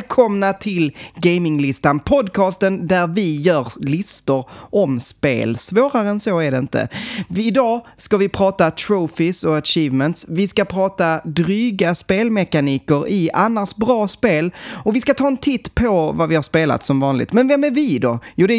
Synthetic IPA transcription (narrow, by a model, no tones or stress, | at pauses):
kʰɔmnat̪ʰɪlɡeɪmɪŋlɪst̪anpʰɔd̪kʰɑːst̪ənd̪æɾvɪjœːɾlɪst̪ʊɾʔɔmspḛːlsvoːɾaɾəɛnsoæɖɛɪnt̪ə̰ɪd̪ɑːskavɪpʰɾɑːt̪at̪ʰɾufɪsɔaʂiːvmɛnt̪svɪskapʰɾɑːt̪ad̪ɾyːɡaspeːlmɛkaniːkəɾɪʔanːaʂbɾɑːspeːlɔkvɪskat̪ʰɑːɛnt̪ʰɪt̪ːpʰɔvavɪhaɾspeːla̰t̪sɔmvɑːnlɪ̰ɡ̚t̪mɛnvɛmæɾvɪd̪ɔjuːd̪ɛ